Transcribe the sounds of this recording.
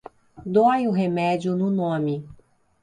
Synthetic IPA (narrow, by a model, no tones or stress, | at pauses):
d̪ojʊɦemɛd͡ʒʊnʊnõmɪ